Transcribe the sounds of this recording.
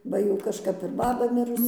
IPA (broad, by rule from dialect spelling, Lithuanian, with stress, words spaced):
ˈbɐ jɛʊ kɐʃˈkɐp ɪr ˈbɑːbɐ ˈmʲɪrʊs